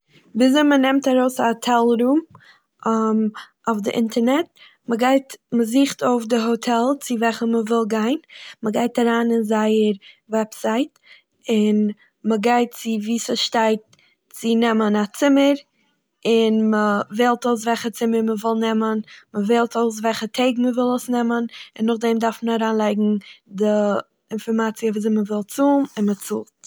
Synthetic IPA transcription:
viːzomənɛmtaɾoʊsaotʰɛlˠɾuːm | m | aʊfdɪʔɪntʰəɾnɛt̚ | məɡaɪtməziːχtoʊfdɪɦotʰɛlˠt͡sɪvɛχəməvɪlˠɡaɪnməɡaɪtaɾaːnɪnzaɪəɾvɛpsaɪt | ɪn | məɡaɪt̚t͡sɪviːsəʃtaɪt̚ | t͡sɪnɛmənat͡sɪməɾ | ɪnməvɛːlˠtoʊs̬vɛlˠχət͡sɪməɾməvɔlˠnɛmənməvɛlˠtoʊs̬vɛlˠχətʰeɪɡməvɪlˠosnɛmənɪnːʊχdɛmdaɾfməaɾaːnlˠaɪɡŋ̩dɪ | ɪnfɔɾmat͡siəviːzɛməvɪlˠt͡suːmɪnmət͡sṵːlˠt

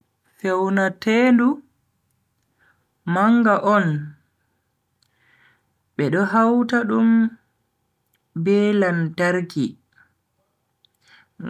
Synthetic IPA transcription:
fewnatendu | maŋɡaʔɔn | ɓɛɗɔɦawtaɗum | bɛːlantaɾki

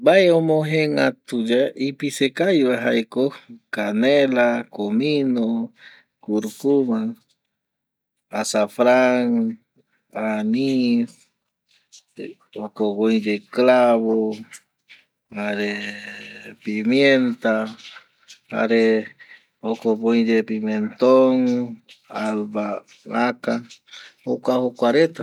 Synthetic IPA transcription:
bajomoɦeŋat̪ud͡ʒaʔipisekajβaɦajkokanelakomino | kuɾkuma | asafɾaŋ | anis | okoβojd͡ʒeklaβo | aɾe | pimjent̪a | a̰ɾe | okoβojd͡ʒepiment̪oŋ | alβa | maka | okahokʷaɾet̪a

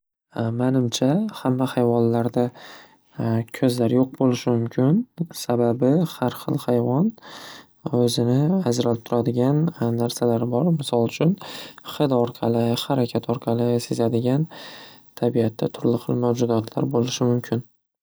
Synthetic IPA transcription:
manɪmt͡ʃʰahamːahajvɒnlaɾd̪a | kʲʰɵzlaɾjoq̚bolɪʃɪmʊmkʲʰɪnsababɪhaɾχɨ̰lˠhajvɒn | ɵzɪnɪazɾalɪp̚t̪ʰʊɾad̪ɪɡʲanːaɾsalaɾbɒɾmɪsɒlˠʊt͡ʃʰʊnχɨd̪ɒɾqʰɑlɪhaɾakʲʰat̪ʰɒɾqʰɑlˠɪse̞zad̪ɪɡʲant̪ʰabiat̪ʰːat̪ʰʊɾlɪχɨlˠmawd͡ʒʊd̪ɒt̪ʰla̰ɾbolɪʃɪmʊmkʲʰɪn

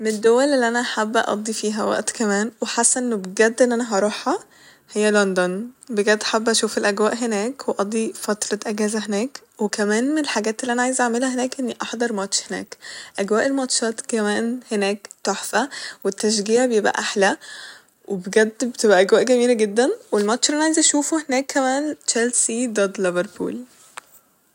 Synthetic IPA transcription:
mened̪ːowːælʔelːiʔænæʔaħab̰ːʔɑ̰d̪ˤːifiːɦæwæ̰ʔt̪kæmæːnweħasːænʔenːobeɡæd̪ːʔenʔænæɦɑɾˤɑħɑ | hejːælond̪onbeɡæd̪ːʔħabːʔæʃuːfelʔæɡwæːʔɦenæːkweʔɑd̪ˤːifɑt̪ɾˤɑʔæɡæːzæɦenæːk | wekæmæːnmenelħaɡæːt̪ʔelːiʔænæʕajezaʕmelhæhenæːkʔenːiʔɑħd̪ˤɑɾˤmɑt̪ʃhenæ̰ːkʔæɡwæːʔelmɑt̪ʃɑːt̪kæmæːnhenæːkt̪oħfæwet̪ːæʃ̬ɡiːʕabejebʔæ̰ʔaħlæ | wʔebeɡæd̪bet̪ebʔæʔæɡwæːʔɡæmiːlæɡed̪ːænwelmɑt̪ʃlʔænæʕajezʔæʃuːfohenæːkːæmæːnt͡ʃælsid̪æd̪leveɾˤpṵːl

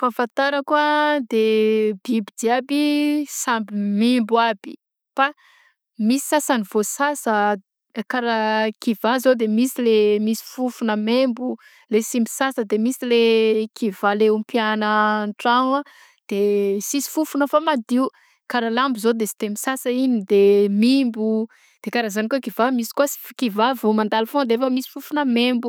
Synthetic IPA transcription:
fafant̪aɾakwad̪ebibid̪iabisambimimbuabi | fa | misi̥sasanivosasə | kaɾakivazod̪emisilemisi̥fufunəmembu | lesimbisasəd̪emisilekʰivaleumpjanəɳʈ͡ʂaŋa | d̪̥esisi̥fufunəfamad̪iu | kaɾalambuzod̪esi̥t̪emisasəinid̪emimbu | d̪̥ekaɾazanikokiv̥amisi̥kuasi̥fkivavumand̪alfõd̪eefəmisi̥fufunəmembu

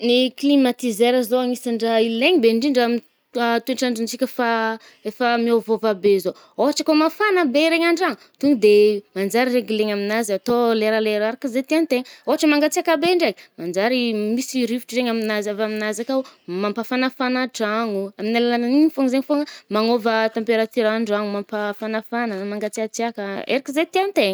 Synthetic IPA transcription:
niklimat̪izeɾəzoaŋisaɳɖ͡ʐailleɲibeɳɖ͡ʐiɳɖ͡ʐami | at̪ueɳʈ͡ʂaɳɖ͡ʐint͡sikʲəfa | efamiovovabezo | oɦaʈ͡ʂəkomafanəbeɾeɲaɳɖ͡ʐaŋut̪uŋid̪emand͡ʒaɾiɾeɡileɲaminazat̪oleɾaleɾaɾakəzet̪iant̪eɲəoɦaʈ͡ʂəmaŋɡat͡siakabeɳɖ͡ʐekəmand͡ʒaɾimisiɾivi̥ʈ͡ʂireɲaminazavaminazakamampafanafanaʈ͡ʂaŋuaminalalananiɲifoŋzeŋifoŋəmaŋovət̪ampeɾat̪iɾaɳɖ͡ʐaŋumampafanafanəmaŋɡat͡siat͡siakəḛɾikizet̪ianit̪eɲə

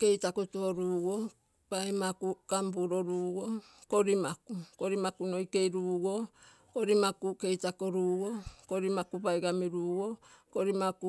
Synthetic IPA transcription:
ke̞jtakutuoɾuːɡo | pajmakukambuɾoɾuːɡo | koɾimakuko̞ɾimakuno̞jke̞jɾuːɡo̞ | koɾimakuke̞jtakoɾuːɡokoɾimakupajɡamiɾuːɡo̞koɾimaku

